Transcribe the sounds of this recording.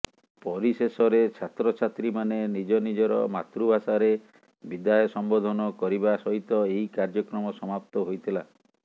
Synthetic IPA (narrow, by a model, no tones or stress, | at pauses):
pɔɾisesɔɾet͡ʃʰat̪ɾɔt͡ʃʰat̪ɾimanenid͡ʒɔnid͡ʒɔɾɔ̰ma̰t̪ɾubʱasaɾe | bid̪ajɔsɔmbod̪ʱɔnɔkɔɾibasɔɦit̪ɔeɦikaɾd͡ʒɔkɾɔmɔsɔmap̚t̪ɔɦojt̪ʰila